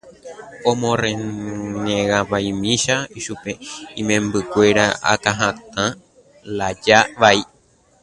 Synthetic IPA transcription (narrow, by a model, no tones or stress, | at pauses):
õmõrẽnẽɣãpaj̃mĩʃaiʃupeĩmẽmbɨkʷe̞ɾaʔa̰kãɦãt̪ã | lad͡ʒaʋai